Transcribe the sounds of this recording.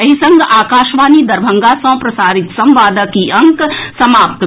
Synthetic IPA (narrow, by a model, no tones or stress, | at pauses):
ɐɦisɐ̃ŋɡaːkaːʃʋaːnid̪ɐɾbʱɐ̃ŋɡasɐ̃pɾɐsaːɾit̪sɐ̃mʋaːd̪əkiɐ̃ŋksɐmaːpt̪